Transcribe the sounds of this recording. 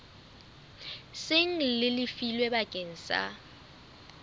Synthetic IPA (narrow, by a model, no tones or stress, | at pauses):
sɪŋ̩lɪlɪfilwɛɓaɡ̥ʱʼen̩sa̰